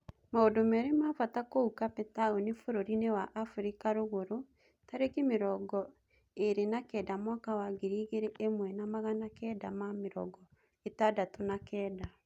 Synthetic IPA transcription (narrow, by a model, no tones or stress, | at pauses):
maodomɛɾemaːfatakoukapɛtaonefoɾoɾinewaʔafuɾikaɾoɣoɾo | taɾekemeɾɔɡɔ | eɾenakɛːdamwɔkawaɡeɾiːɣeɾeʔemwɛnamaɣanakɛːdamameɾɔ̰ɡɔ | etadatonakɛːda